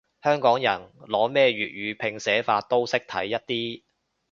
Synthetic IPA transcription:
hœː˥ŋkɔː˨˥ŋjɐ˨˩nlɔː˨˥mɛː˥˧ɥyː˨˩t̚ɥyː˨˧pʰɪ˧ŋsɛː˨˥faː˧t̚t̪o˥wsɪ˥k̚t̪ʰɐ̰˨˥jːɐ˥t̚t̪iː˥

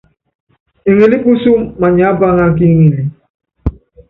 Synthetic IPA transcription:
e˨ŋe˨li˦ɓu˦su˦mma˨ɲ˨a˨˦ba˦ŋa˦ki˦ŋi˨li˨

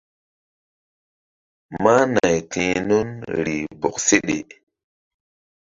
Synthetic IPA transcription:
ma˦na˨jtʰĩ˨nu˦nɾi˨bo˨kse˦ɗḛ˨

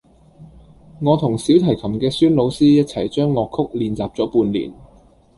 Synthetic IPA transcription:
ŋɔː˨˧t̪ʰʊ˨˩ŋsi˨˥wt̪ʰɐ˨˩jkʰɐ˨˩mkɛː˧syː˥nlo˨˧wsiː˥jɐ˥t̚t͡sʰɐ˨˩jt͡ʃœː˥ŋːɔː˧kʰʊ˥k̚liː˨˧nt͡saː˨p̚t͡sɔː˨˥puː˧nlḭː˨˩n

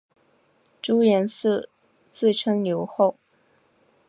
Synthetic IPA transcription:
ʈ͡ʂu˥jɛ˧˥nsɹ̩˥˧ | t͡sʰɹ̩˥˩ʈ͡ʂʰɤ˥ŋnjo˧˥ʊxo˥˩ʊ

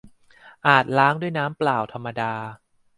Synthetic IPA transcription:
ʔaː˨˩t̪̚laː˦˥ŋdu˥˩əjnaː˦˥mplaː˨˩wt̪ʰa˧mːa˧daː˧

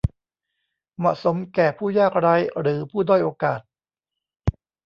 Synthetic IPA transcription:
mɔ̰˨ʔso˩˦mkɛː˨˩pʰuː˥˩jaː˥˩k̚ɾaː˦˥jɾɯː˩˦pʰuː˥˩dɔː˥˩jʔoː˧kaː˨˩t̪̚

